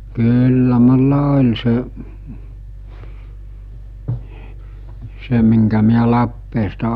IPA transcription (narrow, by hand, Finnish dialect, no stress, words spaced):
kyːlːæ mulːɑ olʲ se se miŋkæ miæ lɑpːeːstɑ